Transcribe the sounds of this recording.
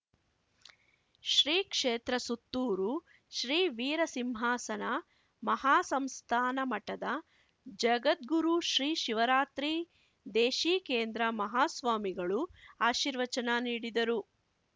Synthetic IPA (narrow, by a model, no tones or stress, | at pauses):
ʃɾiːkʂeːt̪ɾɐsut̪ːuːɾu | ʃɾiːʋiːɾɐsimɦaːsɐnɐ | mɐhaːsɐmst̪ʰaːnɐmɐʈɐd̪ɐ | d͡ʒɐɡɐt̪̚ɡuɾuʃɾiːʃiʋɐɾaːt̪ɾi | d̪eːʃiːkeːnd̪ɾɐmɐɦaːsʋaːmiɡɐɭuaːʃiɾʋɐt͡ʃɐnɐniːɽid̪ɐɾu